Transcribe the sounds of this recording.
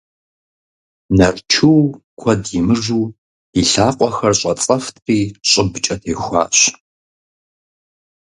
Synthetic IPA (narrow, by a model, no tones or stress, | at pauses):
nɐrt͡ʃʰɨw | kʷʰɔdjɪmɨʐuː | iɬaːqʷʼɔxɐrɕʼɐt͡sʼɐftʰʼqiːɕʼɪbt͡ʃʼɐtʰeːxʷa̰ːɕ